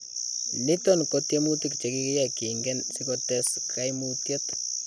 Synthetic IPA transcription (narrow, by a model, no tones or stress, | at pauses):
nitonkotjemutikt͡ʃekikijakiŋɡɛnsikotɛskːajmutjet